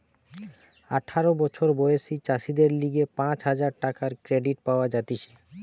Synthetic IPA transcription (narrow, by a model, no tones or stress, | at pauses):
a̰ʈʰaɾobɔt͡ɕʰoɾbojesit͡ɕaʃid̪eɾliɡepãt͡ɕɦad͡ʑaɾʈakaɾkɾeɖiʈ̚paoad͡ʑat̪iʃe̥